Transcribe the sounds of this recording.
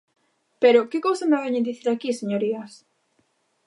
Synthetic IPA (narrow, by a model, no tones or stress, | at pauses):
peɾʊkɪkowsamaβɛɲed̪iθiɾakiseɲoɾiɐs